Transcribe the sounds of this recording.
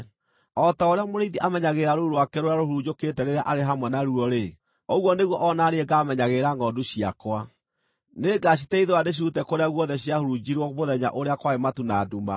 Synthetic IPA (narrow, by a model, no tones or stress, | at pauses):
ɔtaoɾeamoɾiðiʔamɛɲaɣeɾaɾouɾoakɛɾoɾaɾohuɾud͡ʑoketɛɾeɾaʔaɾeɦamwɛnaɾuɔɾe | ɔɣwɔneɣwɔʔɔnaɾeɛɡamɛɲaɣeɾaŋɔdoɕia̰kwa | neɡaɕitɛiðoadeɕ̬iɾutɛkoɾeaɣwɔðɛɕiahoɾud͡ʑiɾwɔmoðɛɲa̰ʔoɾeakwaematunaduma̰